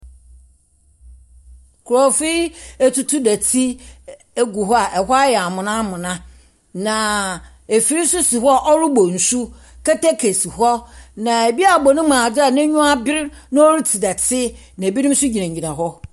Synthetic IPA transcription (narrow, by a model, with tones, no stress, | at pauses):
kʰʊ˨ɾɔ˨fi˦e˦tu˨tʰu˦dæ˨tʰi˦ | e˦ɡu˨ɦɔ˦a˨ʔɛ˨ɦɔ˦a˦jɛ˨a˨mʊ̃˨nã˦mʊ̃˨nã˦ | nã˨ | e˨fi˨ɾi˦sʊ˦si˨ɦɔ˦a˦ʔɔ˦ɾʊ˦bo˨n̩˨su˦ | kɛ˦tɛ˦kʰe˨si˨hɔ˦nã˨e˨bi˦a˨bɔ˨nɪ̃˦mã˨da˦˨nɪ̃˦ɲũ˦a˦bɪ˦ɾnã˦o˦ɾi˦tʰi˨dɛ˨tʰɪ˦ | nã˨bi˦nɪ̃˦m˦sʊ˦d͡ʑi˨nã˨ɲ̩˨d͡ʑĩ˨nã˨ɦɔ˦